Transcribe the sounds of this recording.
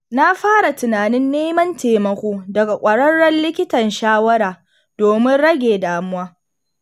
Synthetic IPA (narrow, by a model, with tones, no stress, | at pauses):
na˦ɸaː˦ɽa˨tʊ˨naː˨nɪ˦nːeː˦mɐ˦nteː˨mɐ˨kʷoː˦dɐ˨ɡa˨kʷʼɐ˨ɽɐ˦ɽːɐ˦nlɪ˦kʲɪ˦tɐ˨nʃaː˦wɐ˦ɾaː˨ | d̥oː˨mɪ˦nɽɐ˦ɡʲeː˨daː˨mʊ˦waː˦